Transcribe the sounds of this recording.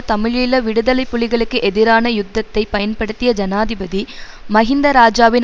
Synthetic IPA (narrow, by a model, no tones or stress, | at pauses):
t̪ɐmɪɻɪlɐʋɪɽɯðɐlɐɪpːʊɭɪɣɐɭɯkːɯʔɛðɪɾaːnɐjʊd̪ːɐt̪ːɐɪpːɐjɐnpɐɽɯt̪ːɪjɐd͡ʒɐnaːðɪbɐði | mɐɣɪnd̪ɐɾaːd͡ʒaːʋɪn